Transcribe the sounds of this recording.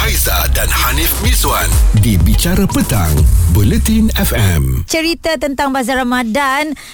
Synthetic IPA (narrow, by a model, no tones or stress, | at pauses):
ajza̰danhanifmizuandibit͡ʃaɾapət̪aŋbulɛt̪inɛfɛmt͡ʃəɾit̪at̪ənt̪aŋbazaɾamãdan